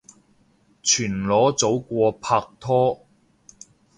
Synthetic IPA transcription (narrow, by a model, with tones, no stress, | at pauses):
t͡ʃʰyː˨˩nlɔː˨˥t͡so˨˥wkʷɔː˧pʰaː˧k̚t̪ʰɔː˥